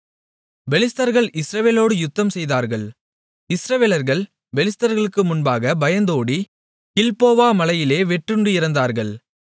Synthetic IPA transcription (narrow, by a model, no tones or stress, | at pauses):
bɛlɪst̪ɐɾɣɐɭʔɪsɾɐʋeːloːɽɯjʊt̪ːɐmsɛjðaːɾɣɐɭ | ɪsɾɐʋeːlɐɾɣɐɭ | bɛlɪst̪ɐɾɣɐɭɯkːɯmʊnbaːɣɐbɐjɐnd̪oːɽi | kɪlpoːʋaːmɐlɐjɪleːʋɛʈːrɯɳɖɯɪɾɐnd̪aːɾɣɐɭ